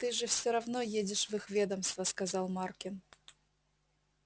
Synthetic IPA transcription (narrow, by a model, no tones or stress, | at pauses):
t̪ɨʐɛfsʲɔɾavnɔjed͡zʲɪʂvɨxvʲed̪ɐmst̪vɐskazɑlˠmarkʲɪn